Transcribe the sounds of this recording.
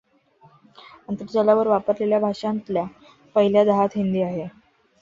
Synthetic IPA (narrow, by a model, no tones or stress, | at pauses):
ənt̪əɾd͡ʑəlaʋəɾʋapəɾleljabʱaʂant̪lja | pəɦiljad̪əɦat̪ɦind̪iːaɦe